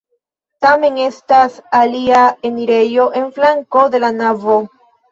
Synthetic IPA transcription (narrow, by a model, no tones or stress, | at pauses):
tame̞ŋe̞stasaliae̞niɾe̞jo̞ʔe̞nflaŋko̞de̞lanavo̞